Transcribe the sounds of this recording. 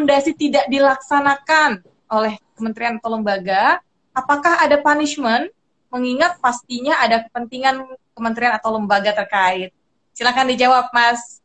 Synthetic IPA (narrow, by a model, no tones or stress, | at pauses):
mdasit̪idaʔ̚dilaksanakan | ʔolɛhkəmənt̪ɾianat̪awləmbaɡa | apakahadapaniʃmən | məŋiŋat̪̚past̪iɲaʔadakəpənt̪iŋankəmənt̪ɾianat̪awləmbaɡat̪ərkaɪt̪̚ | silakandid͡ʒawap̚mas